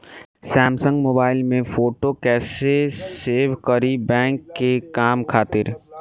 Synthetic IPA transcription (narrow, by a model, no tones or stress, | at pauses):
sɛːmsə̃ŋɡmoːbaːɪlmẽfoːʈokɛːseseːʋkəɾibɛ̃ːŋkːekaːmkʰaːt̪ɪɾ